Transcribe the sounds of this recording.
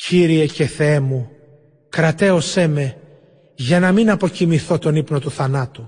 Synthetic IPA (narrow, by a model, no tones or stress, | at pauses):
ciɾie̞ce̞θeemu | kɾɐt̪e̞o̞se̞me̞ | ʝɐnɐminɐpo̞cimiθo̞t̪o̞nipno̞t̪uθɐnɐt̪u